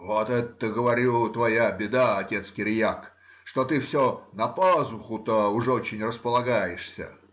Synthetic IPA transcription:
vot̪ɛt̪ːəɡəvɐɾʲut̪vɐjabʲɪd̪aɐtʲe̞t̪skʲɪɾʲjak | ʂt̪ot̪ɨfsʲonɐpazʊxʊt̪əʊʐɛot͡ɕɪnʲrəspəlˠɐɡajɪʂsʲə̰

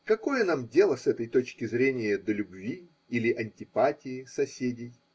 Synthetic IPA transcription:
kɐko̞jənamdʲe̞lˠəsɛt̪əjt̪o̞t͡ɕkʲɪzɾʲenʲɪjəd̪əlʲʊbvʲi | ilʲɪʔɐnʲtʲɪpatʲɪɪsɐsʲedʲɪj

